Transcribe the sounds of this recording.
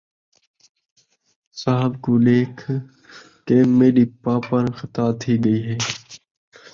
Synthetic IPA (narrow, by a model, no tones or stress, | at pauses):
saːɦəbkoːleːkʰ | kemeːɾiːpaːpənxət̪aːt̪ʰiːɡəiːɦeː